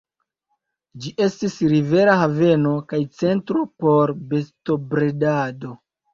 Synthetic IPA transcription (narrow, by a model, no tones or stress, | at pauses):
d͡ʒiʔe̞stisɾive̞ɾaɦave̞no̞kajt͡se̞ntɾo̞po̞ɾbe̞sto̞bɾedado̞